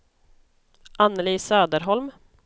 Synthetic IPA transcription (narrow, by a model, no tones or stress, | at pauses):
ʔanːəliːsøːd̪əɾɦɔlm